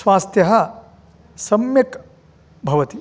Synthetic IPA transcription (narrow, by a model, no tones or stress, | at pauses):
sʋaːst̪jɐɦɐ̆ | sɐmjɐk | bʱɐʋɐt̪i